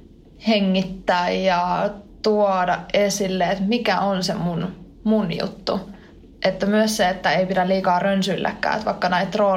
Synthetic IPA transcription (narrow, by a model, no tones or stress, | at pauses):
heŋːit̪ːæːjjɑt̪uodɑʔesilːeet̪mikæʔonsemun | munjṵt̪ːṵ | ʔet̪ːæmyøsseet̪ːæeipidæliːkɑːrønsyilːʔæ̰kːæ̰ːḛt̪ʋɑikːɑnæit̪roː